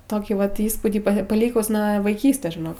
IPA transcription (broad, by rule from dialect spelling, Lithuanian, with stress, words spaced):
ˈtoːkʲiː ˈʋɐt ˈiːspuːdʲiː pɐ pɐˈlʲiːkʊs nuɔ ʋɐɪˈkʲiːsʲtʲeːs ʒʲɪˈnoːk